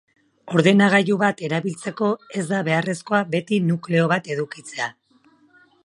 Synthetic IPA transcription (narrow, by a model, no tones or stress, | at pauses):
o̞ɾðe̞naɣ̞ajuβat̪e̞ɾaβilt͡se̞ko̞e̞zd̪aβe̞are̞sko̞abe̞t̪inukle̞o̞β̞at̪e̞ðukit͡se̞a